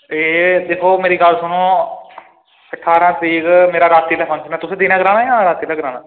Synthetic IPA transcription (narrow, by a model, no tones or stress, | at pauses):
eːd̪eːkʰoːmeːɾiːɡəlsʊnõː | əʈʰːaːɾãːt̪iːɡmeːɾaːɾaːt̪iːlɛːpʰənsnaːt̪ʊsẽːd̪iːnãːɡɾaːnaːãːɾaːt̪iːlaːɡɪɾãːnãː